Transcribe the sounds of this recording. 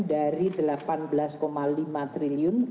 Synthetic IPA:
daɾidəlapanbəlaskomalimat̪ɾiliʊn

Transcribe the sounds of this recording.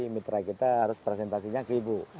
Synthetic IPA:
imit̪ɾakit̪aɦaɾʊspɾes̬ɛnt̪asiɲakəibu

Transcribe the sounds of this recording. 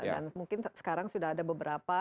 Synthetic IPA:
da̰nmuŋkɪnsə̥kaɾaŋsudahadabəbəɾapa

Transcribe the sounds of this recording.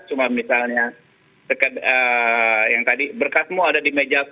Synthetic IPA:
t͡ʃumamisalɲa | səkədəjaŋt̪adibərkasmuadadimed͡ʒak

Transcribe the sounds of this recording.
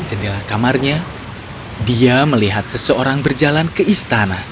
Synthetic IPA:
d͡ʒanilahkamarɲa | diaməliɦat̪̚səsəoɾaŋbərd͡ʒalankəist̪anah

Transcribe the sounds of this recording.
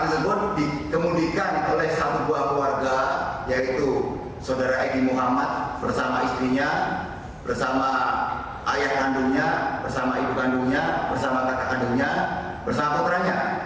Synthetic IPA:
t̪əsəbʊt̪̚dikəmudikanolɛhsat̪uduakluwarɡajait̪u | saudaɾaʔedimuɦamat̪̚bərsamaist̪ɾiɲa | bərsama | ʔa̰jahkanduŋɲabərsamaibuɡanduŋɲabərsamakak̪akanduŋɲa | bərsamakabəɾaɲa

